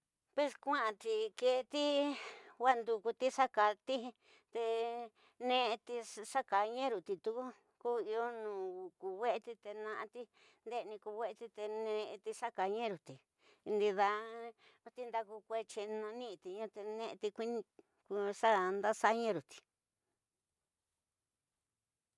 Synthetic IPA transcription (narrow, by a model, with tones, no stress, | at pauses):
pwe˧skʷã˦ʔã˧t̪i˧˨ke˧t̪i˦ | wa˦nd̪u˧ku˧t̪i˦ʂa˦ka˧t̪ĩ˦˧ | t̪e˧ | nẽ˦˧ʔt̪i˧ʂa˦ka˨ɲẽ˦ɾu˨t̪i˧t̪u˧ku˦ | ku˦i˧o˦nũː˨ku˨we˦ʔe˧t̪i˧t̪e˧nã˧ʔã˧t̪i˦ | nd̪e˦˧nĩ˧ku˧we˦ʔe˧t̪i˧t̪e˧nẽ˧t̪i˧ʂa˦ka˨ɲẽ˦ɾu˨t̪i˨˧ | nd̪i˧ða˧ | t̪i˦nd̪a˧ku˧kʷe˦t͡ʃi˧nũ˧nĩ˦˧t̪i˨ɲã˦t̪e˧nẽ˦˧ʔt̪i˧kʷi˦ñ˧ | ku˧ʂa˦nd̪a˦sa˦ɲẽ˦˧ɾu˨t̪i̥˨